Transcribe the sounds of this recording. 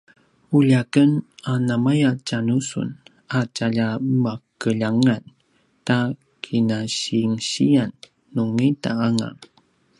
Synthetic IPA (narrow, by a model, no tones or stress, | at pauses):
uʎakənanamajat͡ʃanusṵn | at͡ʃaʎamakəʎaŋan | ta | kʰinaɕiŋɕianː | uŋita̰aŋa̰